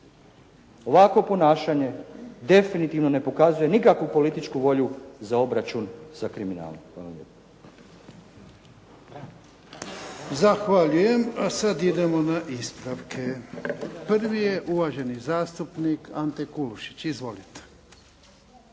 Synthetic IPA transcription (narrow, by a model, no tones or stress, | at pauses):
o̞ʋako̞po̞naːʃaɲe̞d̪e̞finit̪iːʋno̞ne̞po̞kazuje̞nikakʋupo̞lit̪it͡ʃkuʋo̞ʎuzao̞bɾat͡ʃunz̥akɾimina̰ːlomxaːlamlʎḛpḁ | zaxʋaʎuje̞masad̪id̪e̞mo̞naʔispɾaʋkʰe̞ | prʋije̞ʔuʋaʒe̞nizaːst̪upnikant̪ekuluʃi̥t͡ɕizʋo̞lit̪e̥